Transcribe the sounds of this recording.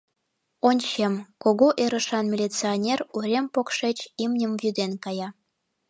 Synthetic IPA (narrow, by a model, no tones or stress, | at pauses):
onʲt͡ɕemkoɣoʔeɾə̆ʃɑnmʲilʲit͡sionʲeruɾʲempokʃet͡ɕimnʲəmvjyd̪enkɑjɑ